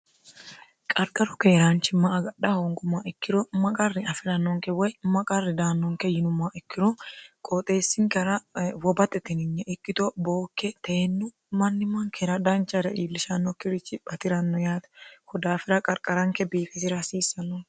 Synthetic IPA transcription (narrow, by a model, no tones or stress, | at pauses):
kʼɐɾkʼɐɾʊkeːɾant͡ʃːɪmːɐːɡɐɗɐhɔŋɡʊmːaʔɪkːɪɾɔmɐkʼɐrːɪɐfɪɾɐnːɔŋkɛwɔjmɐkʼɐrːɪd̪aːnːɔŋkɛjɪnʊmːaʔɪkːɪɾɔkʼɔt̪ʼe̞ːsːɪŋkɛɾɐwɔbɐt̪ʼːɛt̪ɪnɪɲːɛʔɪkːɪt̪ɔboːkːɛt̪eːnːʊ | mɐnːɪmːɐŋkʰɛɾɐd̪ɐnt͡ʃʼːɐɾɛʔiːlːɪʃɐnːɔkɪɾɪt͡ʃːɪbɐt̪ɪɾɐnːɔjaːt̪ɐkɔd̪aːfɪɾɐkʼɐɾkʼɐɾɐŋkɛbiːfɪsɪɾɐsiːsɐnːɔ